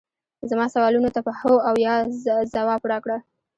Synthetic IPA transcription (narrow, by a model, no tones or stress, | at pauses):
zamɑsawɑlunot̪apəhoawjɑzawɑpɽɑkɽa